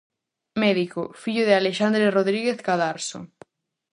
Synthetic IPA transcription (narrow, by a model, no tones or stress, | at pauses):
mɛðikofiʎʊðealeʃand̪ɾeroðɾiɣeθkaðaɾso̰